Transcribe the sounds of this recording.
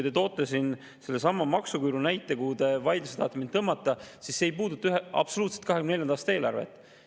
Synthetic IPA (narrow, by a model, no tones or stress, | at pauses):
jt̪et̪o̞ːt̪ːˑɑsin | se̞lːe̞sɑmːɑmɑksukujɾunæjt̪ːˑe̞kut̪e̞vɑjd̪luset̪ɑːt̪ːˑeminɤmːɑt̪ːˑɑsisːeːjpuːd̪ut̪ːˑɑyɦeʔɑ̰b̥so̞luːt̪set̪kɑɦekymnenejɑnɑːst̪ɑeːlɑ̰ɾrvḛt̪ːˑ